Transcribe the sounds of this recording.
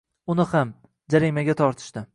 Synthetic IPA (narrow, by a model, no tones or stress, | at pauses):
ʊnɪham | d͡ʒaɾimaɡʲat̪ʰɒɾt̪ʰɪ̥ʃt̪ɪ